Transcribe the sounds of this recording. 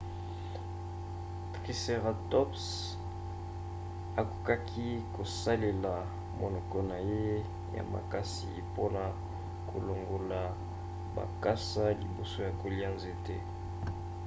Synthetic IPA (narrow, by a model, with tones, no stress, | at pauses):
tʁi˦se˨ʁa˨tɔ˦ps | a˨ku̥˨ka˦kʰi˦ko˨sa˦le˨la˨ | mo˨nɔ˨kɔ˦na˨je˦ | ja̰˨ma̰˨ka˦sḭ˨po˦na˨ | kʰo˨lo˨ŋɡo˨la˨ | ba̰˨ka˦sa˦lḭ˨bo˦so˦ja˨ko˨li˦a˦nze˦tɛ˦